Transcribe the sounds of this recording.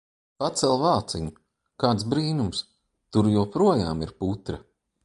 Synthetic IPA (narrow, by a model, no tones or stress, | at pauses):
pat̪sɛlˠvaːt̪siɲu | kaːt̪sbɾiːnums | t̪uɾjɔpɾuɔjaːmiɾput̪ɾɐ